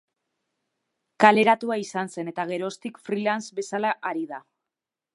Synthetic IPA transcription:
kale̞ɾat̪uaisanse̞ne̞t̪aɣ̞e̞ɾo̞st̪ikfɾilansbe̞salaʔaɾiða

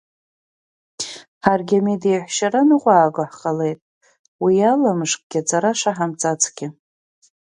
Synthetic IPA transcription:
ħarɡʲamedejħʷʃaɾanɨqʷʼaːɡaħqʼale̞jtʼ | wialamɨʂkʼɡ̥ʲat͡sʰʼaɾaʂaħamt͡sʼat͡sʰʼɡʲɪ

